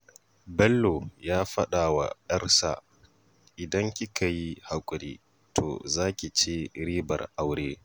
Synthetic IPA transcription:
bɛ˦lːo˨jaː˦ɸɐ˦ɗaː˨wa̰˨ɗɐ˦rsa̰˨ | ʔɪ˨dɐ˦ŋkʲi˦ka˨ji˦ha˨kʷʼʊ˨ɾḭː˦ | tʰo̰ː˨zaː˦kʲi˨t͡ʃeː˦ɾiː˦bɐ̰˨rʔa˦wɽeː˦

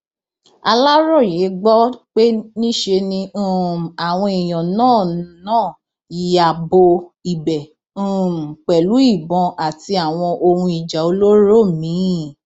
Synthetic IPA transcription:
a̰˧la˦ɾɔ˦˨je˨˦ɡ͡bɔ˦k͡pe˦nĩ˦ʃe˧nĩ˧˦˨a˨w̃ɔ̃˧i˨j̃ɔ̃˨nãː˦˨nãː˦˨ | ji˧a˨bo˧i˨bɛ̃˨˦˨ | m̩˨k͡pɛ˨lu˨˦i˦˨bɔ̃˧a˨ti˧a˨w̃ɔ̃˧ʔo˧hũ˧i˨d͡ʒa˨o˨˧lo˦ɾo˦˨mĩ˨˦˨

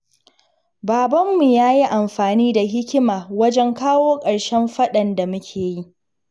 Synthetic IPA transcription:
baː˨bɐ˦mːu˨jaː˦ji˦ʔa˨mɸaː˨niː˦da˨ɦɪ˦kʲɪ˦maː˨wɐ˦d͡ʒɛ˦ŋkaː˦woː˦kʼɐ˨ɽʃɛ˦mɸɐ˦ɗɐ˨nda˨mʊ˦kʲʰeː˨ji˦

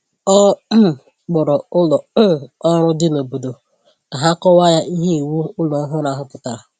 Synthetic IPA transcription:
ɔ˦˨ | k͡pʊ˨ɾɔ˨ʊ˦lɔ˨˦˨ɔ˦ɾʊ˦dɪ˦no˨bo˨do˨ | ka˨ɦa˦kɔ˦wa˦ja˦ʔi˦ɦe˦i˨wu˦ʊ˦lɔ˨˦ɦʊ˦na˨ɦʊ˦pʊ˦ta˨ɾa˨

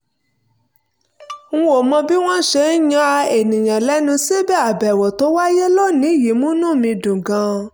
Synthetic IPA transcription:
ŋ̩˦o˨mɔ̃˧bi˦w̃ɔ̃˦ʃe˧˦n̩˦jã˦a˧e˨nĩ˨j̃ã˨lɛ˦nũ˧se˦bɛ˦˨a˨bɛ˨wɔ˨to˨˦wa˦je˦lo˦˨nĩ˨˦˨ji˨˦mũ˦nũ˦˨mĩ˧dũ˨ɡã˧

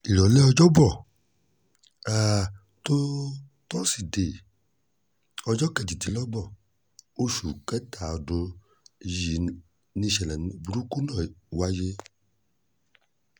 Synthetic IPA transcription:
i˨ɾɔ˨˦lɛ˦ɔ˧d͡ʒɔ˦bɔ˦˨ | a˦˨ | to˦ | tɔ˦si˦˨de˨ | ɔ˧d͡ʒɔ˦kɛ˧˨d͡ʒi˨ti˨˦lɔ˦bɔ˦˨ | o˦ʃu˨kɛ˦ta˨ɔ˧˨do˧ | ji˨ | nĩ˧ʃɛ˨lɛ˨n˧bu˧ɾu˦ku˦nã˦˨wa˧je˧

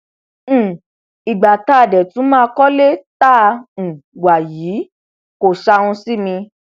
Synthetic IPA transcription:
i˨ɡ͡ba˨ta˦˨dɛ˨tũ˨˦mãː˦˧kɔ˦le˦tã˦˨˧wa˨jiː˨˦ | ko˨ʃa˧ũ˧si˦mĩ˧

